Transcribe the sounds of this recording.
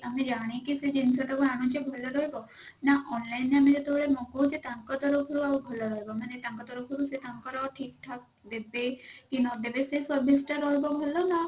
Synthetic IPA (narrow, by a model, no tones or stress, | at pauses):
amed͡ʒaɽ̃ikised͡ʒinsɔʈakuaɽ̃ɔ̃t͡ʃebʱɔlɔɾɔɦebɔ | naʔɔnlainːeamed͡ʒet̪oɭeɾmɔkot͡ʃet̪ãŋkɔt̪ɔɾɔkʰɔɾuaubʱɔlɔɾɔɦebɔmanet̪ãŋkɔt̪ɔɾɔkʰuɾuset̪ʰaŋkɔɾɔʈʰik̚ʈʰak̚d̪ebekinɔd̪ebesesɔbʱisʈaɾɔɦebɔbʱɔlɔna